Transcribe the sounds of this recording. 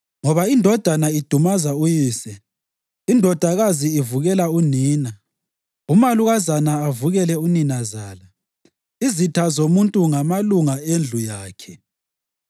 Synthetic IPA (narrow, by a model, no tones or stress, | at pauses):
ŋɔβaindʱɔd̥ʱanaid̥ʱumazaujiːsɛ | indʱɔd̥ʱaɣaziːvuɣɛlauniːna | umaluɣazanaːvuɣɛlɛuninazaːla | izitʰazomuntʼuŋamaluŋaend͡ɮʱujaːkʰɛ